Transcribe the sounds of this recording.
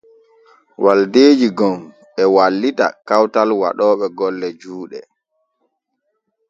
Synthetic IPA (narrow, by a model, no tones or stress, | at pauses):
wʔaldeːd͡ʒiɡɔm | ɓɛwalːita̰kawtalwa̰ɗɔːɓɛɡɔlːɛd͡ʒuːɗɛ